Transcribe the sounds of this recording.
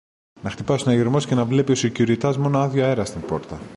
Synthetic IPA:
nɐxt̪ipɐsonɐʝiɾmo̞sce̞nɐvle̞pio̞sicuɾit̪ɐzmo̞noɐðʝoe̞ɾɐst̪impo̞ɾt̪ɐ

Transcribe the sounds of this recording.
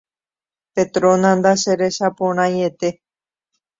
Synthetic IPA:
pet̪ɾõnãnd̪aʃeɾe̞ʃapõɾ̃ãjet̪e̞

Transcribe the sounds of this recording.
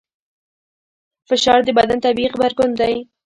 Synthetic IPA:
fɪʃɑɾd̪əbad̪ant̪abiqbaɾkʊnd̪aj

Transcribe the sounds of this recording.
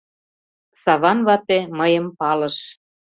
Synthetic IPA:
sɑβɑnβɑt̪eməjəmpɑlɤ̆ʃ

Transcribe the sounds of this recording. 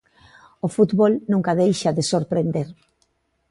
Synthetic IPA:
ofut̪βolnũŋkaðejʃaðesoɾpɾend̪eɾ

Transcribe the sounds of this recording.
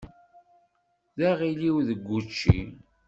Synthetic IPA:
ðæʁiliwðəɡʷːut͡ʃːḭ

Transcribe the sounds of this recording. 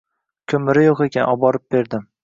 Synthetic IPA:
kʲʰɵmɪɾɪjoqekʲanʔɒbɒɾɪp̚b̥e̞ɾd̪ɪm

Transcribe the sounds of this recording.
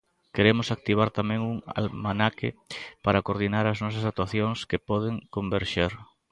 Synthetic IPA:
keɾemʊsak̚t̪iβ̞aɾt̪amɛ̃ŋuŋa̰lmanakɪpaɾakoɾðinaɾɐznɔs̬ɐsak̚t̪waθjoŋskepɔðeŋkombeɾʃeɾ

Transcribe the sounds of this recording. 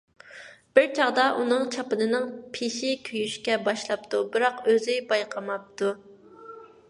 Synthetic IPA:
b̥ɪɾt͡ʃʰɑʁd̪ɑʔunɨŋt͡ʃʰɑpɨnɨnɨŋpʰeʃɪkʲʰøjyʃkʲɛbɑʃlˠɑp̚t̪ʰubɨɾɑqøzybɑjqʰɑmɑp̚t̪ʰu

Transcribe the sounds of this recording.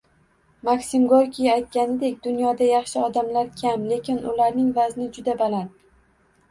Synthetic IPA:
maksɪmɡoɾkʲʰijaajt̪̚kʲanɪd̪e̞kʲd̪ʊnjɒd̪ajɑχʃɪɒd̪amlaɾkʲʰamle̞kʲʰɪnʊlaɾnɪŋvaznɪd͡ʒʊd̪abalant̪

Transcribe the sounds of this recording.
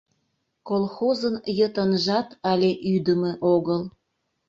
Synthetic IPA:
kolˠxozənjət̪ənʒɑt̪ɑlʲeʔyd̪əmeʔoɣəl

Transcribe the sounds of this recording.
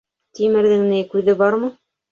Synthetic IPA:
t̪imɘ̆ɾðɘ̆ŋnɘjkʉðɘbɑɾmɤ̆

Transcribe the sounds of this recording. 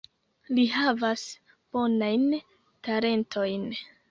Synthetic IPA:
liɦavas | b̥o̞najn | taɾe̞ntʰo̞jn

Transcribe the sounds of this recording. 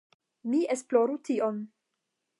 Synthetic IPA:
miesploɾution

